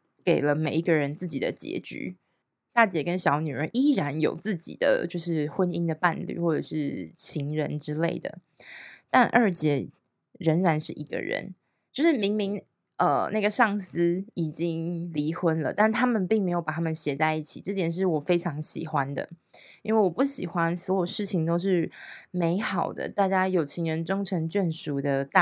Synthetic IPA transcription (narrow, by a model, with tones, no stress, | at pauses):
ke˨˩ɪlə˦me˨˩ɪi˧˥ɡə˨ɻə˧˦nt͡sɹ̩˥˩t͡ɕi˨˩d̪ə̰˦t͡ɕjɛ̰˧˥t͡ɕy̰˧˥ | t̪a˥˩t͡ɕjɛ˨˩kə˦nɕjɑ˧˥ʊny˨˩ɻə˧˦nʔi˥ɻa˧˦njo̰˨˩ʊt͡sɹ̩˥˩t͡ɕḭ˨˩d̪ə̰˦t͡ɕjo˥˧ʊʂ̬ɻ̩˥˩xwə˦ni˥ŋd̪ə˨pa̰˥˧nly̰˥˩xwɔ˥˩ʈ͡ʂə̰˨˩ʂɻ̩˥˩t͡ɕʰi˧˥ŋɻə˧˥nʈ͡ʂɻ̩˥le˥˩ɪd̪ə̰˩ | t̪a˥˧nʔə˞˥˩t͡ɕjɛ˧˥ | ɻə˧˥ŋɻa˧˥nʂɻ̩˥˩ʔi˧˥ɡə̰˧˩ɻə̰˧˦n | t͡ɕjo˥˧ʊʂɻ̩˥˩mi˧˥ŋmi˧˥ŋ | ʔə̰˩na˥˩ɡə˩ʂɑ˥˩ŋsɹ̩˥i˨˩t͡ɕi˦ŋli˧˥xwə˥nlə̰˨t̪a˥˩nt̪ʰa˥mə˨npi˥˩ŋme˧˥ɪjo˨˩ʊpa˨˩a˥mə̃˨nɕjɛ˧˥t͡sa˥˧ɪi˥˩t͡ɕʰḭ˨˩ʈ͡ʂɤ˥˩t̪jɛ˨˩nʂ̬ɻ̩˥˩wɔ˨˩fe˥ɪʈ͡ʂʰɑ˧˥ŋɕḭ˨˩xwa˦nd̪ə̰˨ | i˥nwe˥˩ɪwɔ˨˩pu˥˩ɕi˨˩xwa˦nswɔ˧˥jo˨˩ʂɻ̩˥˩t͡ɕʰi˨˩ŋt̪o˥ʊʂ̬ɻ̩˥˩me˧˥ɪxɑ˨˩ʊd̪ə̰˦t̪a˥˩t͡ɕja˥jo˨˩ʊt͡ɕʰi˧˥ŋɻə˧˦nʈ͡ʂo˥ŋʈ͡ʂʰɤ˧˥ŋt͡ɕɥɛ˥˩nʂu˨˥d̪ə˧t̪a˥˨